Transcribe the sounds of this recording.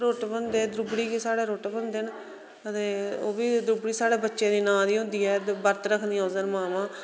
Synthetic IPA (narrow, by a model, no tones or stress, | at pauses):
ɾoːʈbənd̪eːd̪ɾʊbɽiːkisaːɽeːɾoːʈːbənd̪eːn | ət̪eːoːbiːd̪ɾʊbɽiːsaːɽeːbətːʃẽːd̪iːnãːd̪iːõnd̪iːɛːbəɾt̪ɾəkʰd̪ĩːoːzənmaːmãː